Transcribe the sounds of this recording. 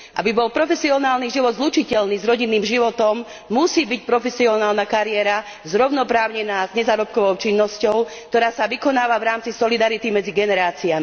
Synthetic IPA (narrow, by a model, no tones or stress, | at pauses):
ʔa̰bibɔlpɾɔfɛsiɔnaːlniʒiʋɔd̪zlut͡ʃicɛlniːzɾɔɟinːiːmʒiʋɔt̪ɔmː | usiːbic̚pɾɔfɛsiɔnaːlnakaɾɪɛɾa | zɾɔʊnɔpɾaːʊɲɛnaːzɲɛzaːɾɔp̚kɔʋɔʊt͡ʃinːɔscɔʊkt̪ɔɾaːsaʋikɔnaːʋaʋɾaːmt͡sisɔlid̪aɾit̪imɛd͡ziɡɛnɛɾaːt͡siami